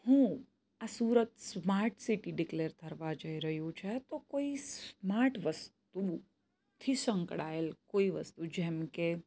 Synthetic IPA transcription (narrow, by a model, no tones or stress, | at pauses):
hũ | asuɾət̪smaɾʈʰsiʈiɖɪkleɾt̪ʰəɾʋad͡ʒəiɾəɦjũt͡ʃʰet̪okoismaɾʈʰʋəst̪u | t̪ʰisə̃ŋkɽaelkoiʋə̰st̪ud͡ʒɛmke